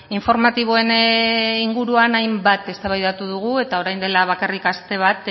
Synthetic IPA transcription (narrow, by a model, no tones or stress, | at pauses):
iɱfo̞ɾmat̪iβ̞o̞e̞niŋɡuɾuanajmbat̪e̞st̪aβajðat̪uð̞uɣ̞ue̞t̪ao̞ɾajnd̪e̞laβ̞akarikast̪e̞β̞at̪